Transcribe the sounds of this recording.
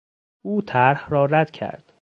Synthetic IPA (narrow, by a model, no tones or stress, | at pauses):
uːt̪ʰæɾhrɒːɾæd̪̥cʰæ̰ɾd̪̥